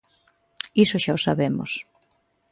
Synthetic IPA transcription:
isoʃaosaβemo̰s

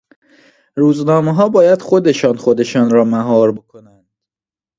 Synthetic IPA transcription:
ɾuːznɒːmeɦɒːbɒːjæd̪̥xo̞d̪e̞ʃɒːnxo̞d̪e̞ʃɒːnɾɒːmæɦɒːɾbokʰonænd̪̥

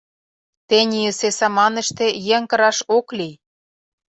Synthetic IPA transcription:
t̪enʲijə̆sesɑmɑnə̆ʃt̪ĕjeŋkɤ̆ɾɑʃokli

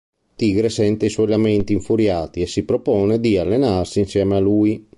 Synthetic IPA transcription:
t̪iːɡɾesɛnt̪eiswɔjlament̪iːɱfuɾjaːt̪iesipɾopɔːned̪ialːenarsiːnsjɛːmealuj

